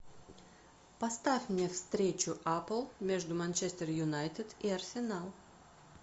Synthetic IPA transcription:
pɐst̪afʲmnʲefst̪ɾʲet͡ɕʊʔapəlˠmʲeʐd̪ʊmanʲt͡ʃesʲt̪ʲerjʊnajt̪ʲɪd̪iɐrsʲɪnalˠ

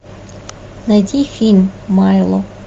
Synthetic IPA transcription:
nɐdʲixʲinʲmɑjlˠɔ

